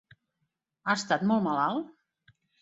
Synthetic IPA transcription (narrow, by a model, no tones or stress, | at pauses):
ast̪at̪mɔlˠmalalˠ